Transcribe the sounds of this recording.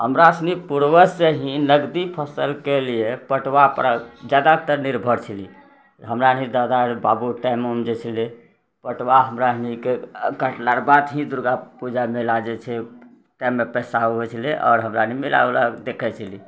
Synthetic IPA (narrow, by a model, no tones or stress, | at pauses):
ɦəmɾaəsnipuɾwəseɦĩnəɡd̪ipʰəsəlkeliepəʈʋapɾad͡ʒad̪at̪əɾniɾbʱəɽt͡ʃʰəli | ɦəmɾanid̪ad̪aɾbabuʈɛ̃məmd͡ʒet͡ʃʰəle | pəʈwaɦəmɾanikekəʈlaɾbad̪ɦĩd̪uɾɡapud͡ʒamelad͡ʒɛt͡ʃʰɛ | ʈɛ̃mːepɛsaɦobɛt͡ʃʰəleʔɔ̰ːɾɦəmɾanimila̰lad̪ekʰɛt͡ʃʰəli